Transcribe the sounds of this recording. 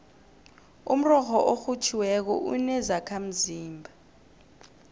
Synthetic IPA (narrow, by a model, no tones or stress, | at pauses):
um̩rɔxɔʔoxut͡ʃʰiwɛk̬ɔ̰ʔṵnɛzakʰam̩ziːmbʱa